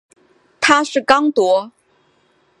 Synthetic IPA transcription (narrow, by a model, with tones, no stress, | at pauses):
t̪ʰa˥ʂɻ̩˥˩kɑ˥ŋt̪wɔ˧˥